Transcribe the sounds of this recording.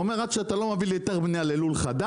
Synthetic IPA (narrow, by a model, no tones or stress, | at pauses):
omeʁakʃeat̪alo̞maviljot̪e̞ʁbnijalelulχad̪a